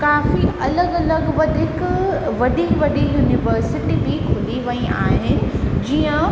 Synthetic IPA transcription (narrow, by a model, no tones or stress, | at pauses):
kaːfiɐləɡɐləɡʋɐd̪ɪkʋɐɗiʋɐɗijuːnɪʋəɾsɪʈibikʰʊliʋɐia̰ːɦɪnɪ̆d͡ʑiːə̃